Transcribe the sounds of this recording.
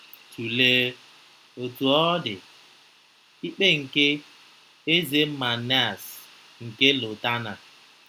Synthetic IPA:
tʰu˨leː˦ | o˨tu˨ɔ˦dɪ˨ | i˦k͡pe˦ŋ̩˨ke˦ | e˦ze˦ma˨ne˦a˨s | ŋ̩˨ke˦lʊ˨ta˦na˨

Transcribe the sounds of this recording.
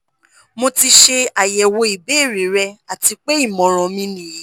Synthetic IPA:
mo˧ti˧ʃe˧a˨jɛ˨wo˧i˨be˨˦˨ɾi˨˦ɾɛ˧a˨ti˧k͡pe˦i˦˨mɔ̃˨ɾ̃ɔ̃˨˧mĩ˧nĩ˨˦

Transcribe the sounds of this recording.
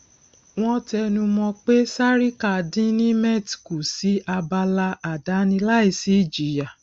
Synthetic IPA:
w̃ɔ̃˦tɛ˧nũ˧mɔ̃˧k͡pe˦sa˦ɾi˦ka˨dĩ˦nĩ˦mɛ˦ti̥˨ku˨si˨˦a˧ba˧la˧a˨da˨˦nĩ˧la˦i˦˨si˨˦˨d͡ʒi˨˦ja˨

